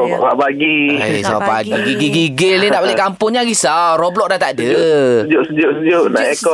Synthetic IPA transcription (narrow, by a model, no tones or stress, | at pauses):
ba̰ʔbapaɡiesaapaɡiɡiɡiɡiɡəlninaʔbolɛkampʊŋɲaɡisarɔblɔk̚dat̪adəd͡ʒʊʔsəd͡ʒʊʔsəd͡ʒʊʔna̰ʔɛkɔ